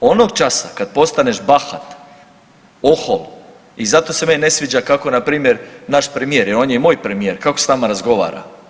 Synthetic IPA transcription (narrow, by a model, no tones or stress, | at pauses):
ono̞ɡt͡ʃasakad̪̚po̞st̪ane̞ʃbaxat̪ | oxol | izat̪o̞se̞menʲne̞sʋid͡ʑakako̞napɾiːmje̞ɾnaʃpɾemijeɾjeɾo̞ːnjeimo̞ːjpɾe̞mije̞ɾkako̞snamaɾazɡo̞ʋa̰ːɾa̰